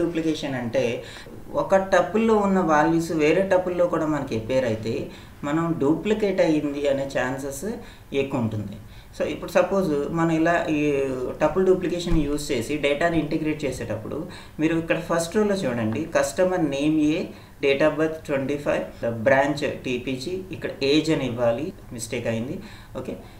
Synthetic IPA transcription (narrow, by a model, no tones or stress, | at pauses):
uːplikeːʂɐnɐɳʈe̞ː | ɔkɐʈɐpːulːo̞ːunːɐʋaːɭʋisuʋe̞ːɾe̞ːʈɐpːulːoːkuːɽaːmɐnɐkepːeːɾɐjit̪e̞ː | mɐnɐmɖjuːplikeːʈɐjind̪iɐne̞ːt͡ʃaːns̬es | ekːuuɳʈund̪i | soːipːuɽusɐpːo̞ːzmɐnɐmilaːʔiːʈɐpːulɖuːplikeːʂɐnjuːst͡ʃe̞ːsiɖeːʈaːniɳʈeɡɾe̞ːʈ̚t͡ʃeːseːʈɐpːṵɽṵ | miːɾuikːɐɽɐpʰɐɾsʈɾoːlɐt͡ʃuːɽɐɳɖikɐsʈɐmɐɾneːmjeː | ɖeːʈɐbɐt̪ʈweɳʈiːpʰɐjʋbɾaːɲt͡ʃʈiːpiːd͡ʒiːkːɐɽɐʔeːd͡ʒɐniʋːaːli | misʈeːkɐjind̪i | oːke̞ː